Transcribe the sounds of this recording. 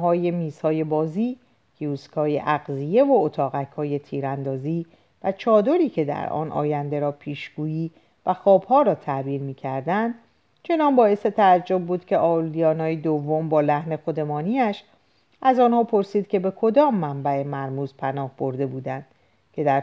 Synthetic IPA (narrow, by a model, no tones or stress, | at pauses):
ɦɒːje̞miːzhɒːje̞bɒːziː | kʰeuːskʰɒːjḛʔæɣzije̞voot̪ʰɒːɣæcʰhɒːje̞t̪ʰiːɾænd̪ɒːziː | væt͡ʃʰɒːd̪o̞ɾiːcʰe̞d̪æ̰ɾɒ̰ːnʔɒ̰ːjænd̪e̞ɾɒːpʰiːʃɡ̥uːjiː | væxɒːbhɒːɾɒːt̪ʰæʔbiːɾmiːcʰæɾd̪ænd̪ | t͡ʃʰe̞nɒnbɒːe̞set̪ʰææd͡ʒːo̞b̚bːuːd̪̥cʲʰe̞ʔɒːlːijɒːnɒːjed̪ovːo̞mbɒːlæhne̞xo̞d̪e̞mɒːniæʃ | ʔæzɒːnhɒːpʰo̞ɾsiːd̪̥̚cʰe̞be̞kʰo̞d̪ɒːmːæmbæe̞mæɾmuːzpʰænɒːhb̥o̞ɾd̪e̞buːd̪ænd̪̥ | cʰe̞d̪æɾ